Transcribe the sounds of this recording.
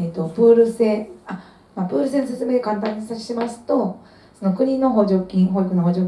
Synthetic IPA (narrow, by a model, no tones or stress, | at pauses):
et̪o̞bɯ̟ːɾɯ̟se̞ːa | maːbɯ̟ːɾɯ̟s̬e̞ːnose̞t͡sɨme̞ːekãnt̪̬ãɲ̟ːisaɕi̥ɕemasɨ̥t̪o̞ | sono̞kɯ̟ɲ̟ino̞ɦo̞ːʑo̞ːkʲĩɦoːikɯ̟noɦoːʑoː